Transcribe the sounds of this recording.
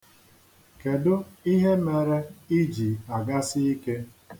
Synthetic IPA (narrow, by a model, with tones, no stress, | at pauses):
ke˨dʊ˦i˦ɦe˦me˨ɾe˦i˦d͡ʒi˨a˨ɡa˦sɪ˦i˦ke˦